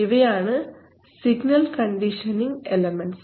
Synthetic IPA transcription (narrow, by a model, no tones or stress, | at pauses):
iʋɐjaːɳɨ | siɡnɐlkɐɳɖiʂɐniŋɡelɐmɐns